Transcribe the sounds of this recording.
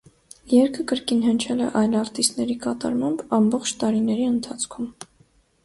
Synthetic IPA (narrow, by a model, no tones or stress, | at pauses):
jɛɾkʰəkəɾkinɦənt͡ʃʰɛlɛ̰ʔɑjlɑɾt̪ist̪nɛɾikɑt̪ɑ̰ɾmɑmbɑmbɔχt͡ʃʰt̪ɑɾinɛɾiənt̪ʰɑt͡sʰkʰum